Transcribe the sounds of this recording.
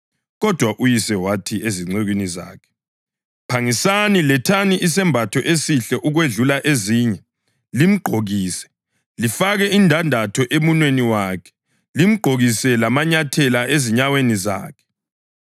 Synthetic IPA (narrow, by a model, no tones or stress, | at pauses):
ɣɔd̥ʱwaʔujisɛwatʰieziŋ͡ǀeɣwiniza̰ːkʰɛ̥ | pʰaŋisanilɛtʰaniʔisɛmbʱatʰɔʔesiɬɛʔuɣweɮulaʔeziːɲɛ | lim̩ɡ͡ǃʱoɣiːsɛ̥ | lifaɣɛindʱandʱatʰɔʔemunweniwakʰɛ̥ | lim̩ɡ͡ǃʱoɣisɛlamaɲatʰɛlaʔeziɲaweniza̰ːkʰɛ̥